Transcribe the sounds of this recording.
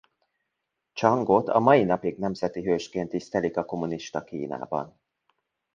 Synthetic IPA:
t͡ʃɒŋɡot̪ɒ̰mɒjinɒpiɡnɛmzɛt̪iɦøːʃkeːnt̪ːist̪ɛlikɒko̞muniʃt̪ɒkiːna̰ːbɒ̰n

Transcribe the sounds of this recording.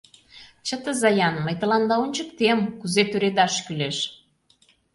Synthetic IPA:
t͡ɕət̪ə̆zɑjɑnməjt̪ə̆lɑnd̪ɑonʲt͡ɕəkt̪emkuzet̪øɾed̪ɑʃkyleʃ

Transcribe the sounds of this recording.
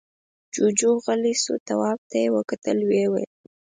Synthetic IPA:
d͡ʒud͡ʒoɣaliso̰t̪awɑb̚t̪ajewəkat̪əlwewḛl

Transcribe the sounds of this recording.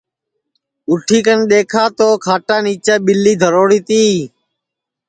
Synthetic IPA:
ʊʈʰiːkənɗeːkʰaːt̪oːkʰaːʈaːniːt͡ʃaːɓɪlːiːd̪ʱəɾoːɽiːt̪iː

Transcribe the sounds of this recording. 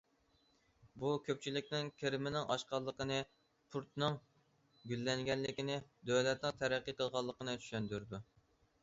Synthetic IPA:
bukʲʰøp̚ʲt͡ʃʰilɪkʲnɪŋkʲʰeɾɪmɪnɪŋʔɑ̰ʃqɑlˠːəqənɨ | pʰuɾt̪nɨŋ | ɡʲylːɛŋɡʲɛlːɪkʲinɪd̪øwlɛt̪̚nɪŋt̪ʰæɾæqːəqʰəlˠʁɑlˠːəqənɨt͡ʃ̪ʰy̥ʃɛnd̪yɾd̪u

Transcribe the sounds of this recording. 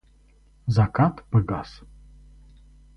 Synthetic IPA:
zakʰatʰʼbɨɡa̰s

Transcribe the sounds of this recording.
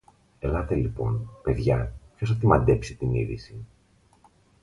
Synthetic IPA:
e̞lɐt̪e̞lipo̞npe̞ðʝɐpço̞sɐt̪imɐd̪e̞psit̪inḭðḭsi

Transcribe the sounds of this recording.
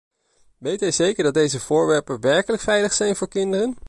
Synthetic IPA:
ʋejtɦɛjzejkəɹdɑt̚dejzəv̥ʊːɹʋɛɹpəʋɛɹkələkfɛjləχsɛjnvʊːɹkɪndərən

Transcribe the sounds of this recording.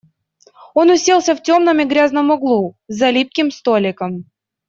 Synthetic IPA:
o̞nʊsʲelˠsʲəftʲo̞mnəmɪɡɾʲaznəmʊɡlˠuzɐlʲip̚kʲɪmst̪olʲɪkəm

